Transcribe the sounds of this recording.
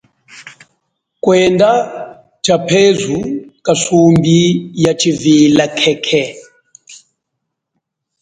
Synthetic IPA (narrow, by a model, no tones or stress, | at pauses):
kwɛnda | t͡ʃapʰezukasumbijat͡ʃʰivilakʰɛkʰɛ